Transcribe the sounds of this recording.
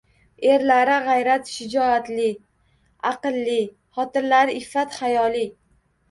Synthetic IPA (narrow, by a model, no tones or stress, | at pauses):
e̞ɾlaɾɪʁajɾat̪ʃɪd͡ʒɒat̪lɪ | aqɨlːɪ | χɒt̪ɪɾlaɾɪɪfːat̪χajɒlɪ